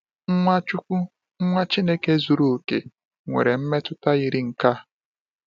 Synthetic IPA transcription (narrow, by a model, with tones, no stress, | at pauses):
ŋ̩˦ŋʷa˦t͡ʃu˦kʷu˦ | ŋ̩˦ŋʷa˦t͡ʃi˦ne˦ke˦zu˨ɾu˦˨o˨kḛ˨ | ŋʷḛ˨ɾe˨m̩˦me˦tʊ˦ta˦ɣi˨ɾi˦ŋ̩˨ka˦